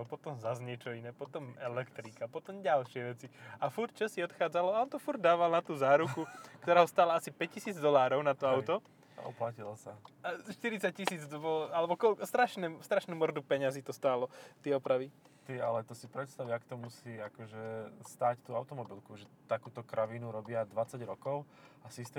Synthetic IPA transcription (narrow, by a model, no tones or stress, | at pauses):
pɔt̪ɔmzazɲɛt͡ʃɔinɛːpɔt̪ɔmɛlɛkt̪ɾikapɔt̪ɔmɟalʃɪɛʋɛt͡siafuɾt̪̚t͡ʃɔsiɔt̪xaːd͡zalɔaɔnt̪ɔfuɾd̪̚d̪aːʋalnat̪uːzaːɾukukkt̪ɔɾaːɦɔst̪aːlaasipɛc̚cːisiːd͡zd̪ɔlaːɾɔʊnat̪ɔaʊt̪ɔ | a̰ʔɔ̰placilɔsaaʃt̪iɾit͡sac̚cisiːd͡zbɔlalɛbɔkɔlkɔst̪ɾaʃnɛːst̪ɾaʃnuːmɔɾd̪upɛɲaziːt̪ɔst̪aːlɔt̪ɪɛɔpɾaʋi | t̪ia̰lɛt̪ɔsipɾɛt̪st̪aʋiakt̪ɔmusiːakɔʒɛst̪aːct̪uːaʊt̪ɔmɔbilkuʒɛt̪akuːt̪ɔkɾʔaʋinuɾɔbɪad̪ʋat͡saɟɾɔkɔʊ | asist̪ɛ